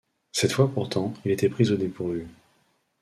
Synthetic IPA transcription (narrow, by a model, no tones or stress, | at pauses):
sɛt̪fwapuʁt̪ɑ̃ilet̪ɛpχizod̪epuʁvy